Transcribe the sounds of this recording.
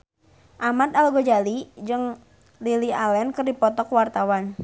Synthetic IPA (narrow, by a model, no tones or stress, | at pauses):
ʔamat̪̚alɡɔd͡ʒalid͡ʒɨŋ | lilialɛnkɨrdipɔt̪ɔkwart̪awan